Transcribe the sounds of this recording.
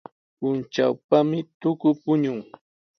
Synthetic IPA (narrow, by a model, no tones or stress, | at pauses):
pʊnt͡ʃawpamɪt̪ʊkʊpʊɲʊŋ